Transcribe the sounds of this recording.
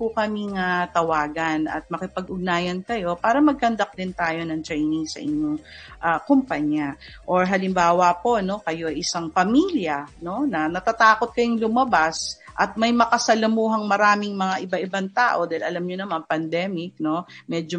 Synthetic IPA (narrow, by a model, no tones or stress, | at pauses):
pʊkɐmiŋat̪ɐwaːɡɐnɐ̰t̪̚mɐkɪpɐɡ̚ʔʊɡnaːjɐnkɐjo̞paːɾɐmɐɡ̚kɐnd̪ɐk̚d̪ɪnt̪aːjo̞nɐŋt̪ɾɛjnɪŋsɐ̰ʔɪ̰ɲːoŋʔakʊmpaɲaʔoɹɦɐlɪmbaːwɐpo̞no̞kɐjo̞ʔɐjʔɪsaŋpɐmiljɐno̞nɐnɐt̪at̪aːko̞t̪̚kɐjoŋlʊmɐbasʔɐt̪̚mɐjmɐkɐsɐlɐmuːɦɐŋmɐɾaːmɪŋmɐŋaʔɪbaʔɪbaŋt̪aːʔo̞d̪aːhɪlʔɐlamɲonɐmanpɐnd̪ɛːmɪk̚no̞mɛːd͡ʒo